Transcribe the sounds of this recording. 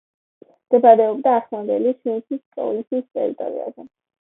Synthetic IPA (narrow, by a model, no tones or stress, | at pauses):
d̪̥ɛbaɾɛɔb̚d̪aːχlˠand̪ɛliʃinsʰiskʼɔ̰linsʰist̪ʼɛ̰ɾit̪ʼɔ̰ɾḭa̰zɛ